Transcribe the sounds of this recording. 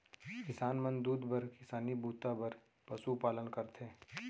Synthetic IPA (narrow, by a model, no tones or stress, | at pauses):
kɪsaːnmə̃nd̪uːd̪bɐɾkɪsaːnibʱuːt̪abɐɾ | pɐsupaːlənkɐɾt̪ʰẽː